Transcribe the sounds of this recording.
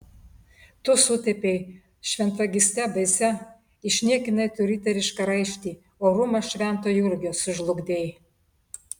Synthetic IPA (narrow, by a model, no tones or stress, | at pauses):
t̪ʊsʊt̪ʲɛpʲeɪ | ʃʲʋʲɛnt̪ɐɡʲɪsʲt̪ʲɛbɐɪsʲɛ | ɪʃʲnʲiɛkʲɪnɐɪt̪ʊɾʲit̪ʲɛɾʲɪʃkɐɾɐɪʃʲt̪ʲiː | oːɾʊmɐʃʲʋʲɛnt̪oːjʊɾʲɡʲoːsʊʒlˠʊɡd̪ʲeːj